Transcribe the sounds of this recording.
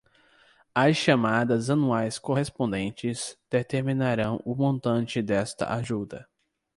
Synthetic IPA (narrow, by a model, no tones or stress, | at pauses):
ɐsʃamad̪ɐzɐnuajskoɦespõnd̪ẽnt͡ʃɪzd̪̥et̪eɾmĩnaɾɐ̃w̃ʊmõnt̪ɐ̃nt͡ʃɪd̪ɛst̪ɐ̰ʔaʒud̪ɐ